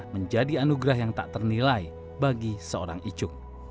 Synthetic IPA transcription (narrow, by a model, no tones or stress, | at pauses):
məɲd͡ʒadianuɡɾahjaŋt̪a̰ʔt̪ərnilai | baɡisəo̰ɾaŋid͡ʒʊk̚